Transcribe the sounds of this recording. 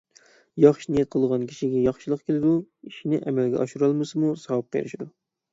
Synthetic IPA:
jɑχʃnijɛt̪̚qʰəlˠʁɑnkʲʰi̥ʃiɡʲɛjɑχʃilˠəqkʲʰelɪd̪uiʃinɪʔɛmɛlɡʲɛ̰ʔɑ̰ʃuɾɑlˠmɨsɨmusɑwp̚qʰḛɾɪ̰ʃid̪u

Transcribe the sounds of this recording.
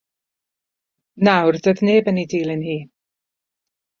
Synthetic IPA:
nawrdəðneːbənidiːlˠɪnhiː

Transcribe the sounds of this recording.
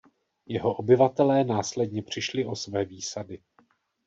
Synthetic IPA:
jɛɦo̞ʔo̞bɪvat̪ɛlɛːnaːslɛdɲɛpr̝̥ɪʃlɪʔo̞svɛːviːsadɪ

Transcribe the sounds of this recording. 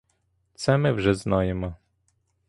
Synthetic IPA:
t̪sɛmɛvʐɛznɔjɛma

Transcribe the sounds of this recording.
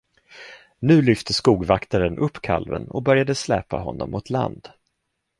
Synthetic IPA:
nʉ̟ːlʏft̪ʰəskuːɡvakt̪aɾənʔɵpːkʰalvə̰nɔbœɾjad̪əslɛːpa̰ɦɔnːɔmːʊt̪ʰla̰nd̪̥

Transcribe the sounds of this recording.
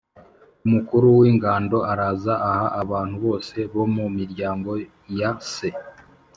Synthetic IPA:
umukuɾuwiːŋɡaːndo̞ʔaɾazaʔahaʔaβaːn̥huβo̞ːse̞βo̞mumiɾɟaːŋɡo̞ | jase

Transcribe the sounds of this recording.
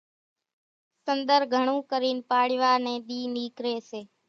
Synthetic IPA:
sənd̪əɾɡʱəɳ̃ũːkəɾiːnpaːɽɪʋaːnẽːɗ̪iːniːkɾeːseː

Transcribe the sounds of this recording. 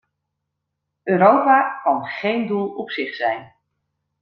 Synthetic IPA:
øːɾowpaːkɑnχejndulˠɔpsɪχsɛjn

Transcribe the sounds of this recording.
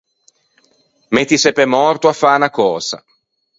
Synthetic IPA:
met̪ːisepemɔrt̪oafːaːnakɔːza̰

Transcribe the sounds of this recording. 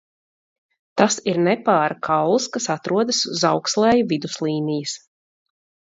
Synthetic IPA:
t̪asiɾnɛpaːɾkʰawlˠskasat̪ɾuɔd̪asuzawkslˠɛːjuvid̪uslˠiːnijɨs

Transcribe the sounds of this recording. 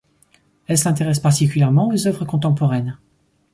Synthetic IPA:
ɛlsɛ̃t̪eʁɛspaʁt̪ikʲyljɛʁmɑ̃ozœvʁəkɔ̃t̪ɑ̃pɔʁɛn

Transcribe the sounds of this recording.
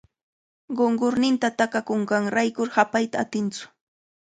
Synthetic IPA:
ɢoɴɢoɾnɪnt̪at̪akakoɴɢɑŋɾajkʊɾhapajt̪aːt̪ɪnt͡sʊ̥

